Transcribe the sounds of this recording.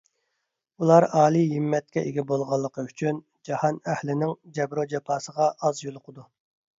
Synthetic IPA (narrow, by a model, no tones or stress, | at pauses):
ulˠɑɾɑːlˠiɦimːɛt̪̚kʲɛʔeɡʲɛbolˠʁɑlˠːəqʰəyt͡ʃʰyn | d͡ʒɑhɑnɛhlɪnɪŋd͡ʒɛbɾod͡ʒɑpʰɑːsəʁɑʔɑzjolˠʊqʰəd̪u